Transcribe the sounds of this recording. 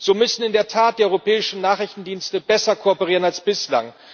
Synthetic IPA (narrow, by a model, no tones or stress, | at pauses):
z̥oːmʏsn̩ɪndeːɐtʰaːt̚d̥iːɐɔʏʁopɛːɪʃn̩naːχʁɪçtn̩diːnstəbɛsɐkʰoɔpəʁiːʁənalsb̥ɪsla̰ŋ